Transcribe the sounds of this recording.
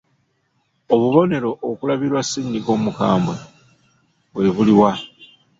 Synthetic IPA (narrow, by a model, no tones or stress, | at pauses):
oβuβo̞ne̞ɾo̞ʔːkulaβiɾwasːindiko̞ːmuka̰ːmbwe | βwe̞ːβuliwa